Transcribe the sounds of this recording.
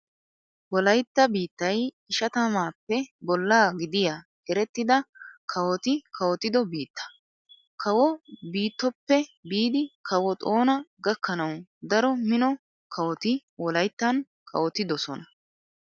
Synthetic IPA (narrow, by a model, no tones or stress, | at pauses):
wɔlɐjt̪ːɐbiːt̪ːɐj | ɪʃɐt̪ɐmaːpːɛbɔlːaːɡɪd̪ɪja | ɛɾɛt̪ːɪd̪ɐkʰɐwɔt̪ɪkʰɐwɔt̪ɪd̪ɔbiːt̪ːɐ̥ | kʰɐwɔbiːt̪ːɔpːɛbiːd̪ɪkʰɐwɔt̪ʼo̞ːnɐɡɐkːɐnɐwd̪ɐɾɔmɪnɔ | kʰɐwɔt̪ɪwɔlɐjt̪ːɐn | kʰɐ̰wɔt̪ɪd̪ɔsɔ̰nɐ